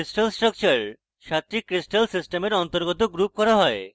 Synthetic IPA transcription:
isʈalsʈɾɔk̚t͡ɕaɾ | ʃat̪ːɾikɾisʈalsisʈemeɾɔnt̪oɾɡot̪oɡɾup̚kɔɾaɦɔe

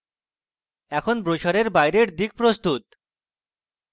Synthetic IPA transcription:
ɛkʰonbɾoʃaɾeɾbajɾeɾd̪ik̚pɾost̪ut̪

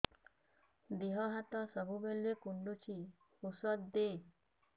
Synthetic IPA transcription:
d̪iɦɔɦat̪ɔsɔbʱubelːekuɳɖut͡ʃʰi | usɔd̪̚d̪e

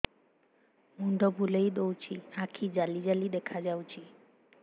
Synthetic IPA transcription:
mund̪obulejd̪owt͡ɕʰiakʰid͡ʑalid͡ʑalid̪ekʰad͡ʑawt͡ʃʰi

